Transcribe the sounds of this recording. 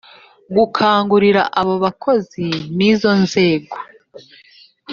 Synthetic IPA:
ɡukʰaːŋɡuɾiɾaʔaβo̞βakʰo̞ziniːzo̞nze̞ːɡo

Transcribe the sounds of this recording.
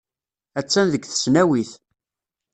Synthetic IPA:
æt͡sːænðəɡθə̥snæwiθ

